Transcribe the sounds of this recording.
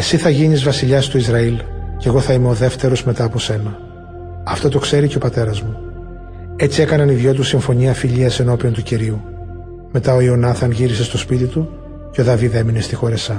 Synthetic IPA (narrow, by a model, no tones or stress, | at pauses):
e̞siθɐʝinizvɐsiʎɐst̪uizɾɐilce̞ɣo̞θɐimeoðe̞ft̪e̞ɾo̞zme̞t̪ɐːpo̞se̞nɐ | ɐft̪o̞t̪o̞kse̞ɾice̞o̞pɐt̪e̞ɾɐzmu | e̞t͡sie̞kɐnɐniðʝo̞t̪̬usiɱfo̞ɲiɐfiʎiɐse̞no̞piont̪uciɾiu | me̞t̪ɐo̞io̞nɐθɐnʝiɾise̞st̪o̞spit̪it̪u | ceoðɐviðe̞mine̞st̪ixo̞ɾesɐ